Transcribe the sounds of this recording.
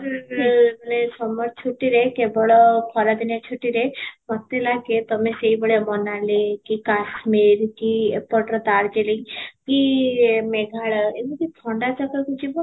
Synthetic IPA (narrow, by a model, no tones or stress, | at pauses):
ɾ | ənesɔmɔɾt͡ʃʰuʈːiɾekebɔɭɔpʰɔɾad̪injat͡ʃʰuʈːiɾemɔt̪ːelaket̪ɔmẽseibəɽemɔnalekikasmeɾkipɔʈɾɔt̪aɾd͡ʒelekimeɡʱaɭemikitʰɔɳɖat͡ʃakəkid͡ʒibɔ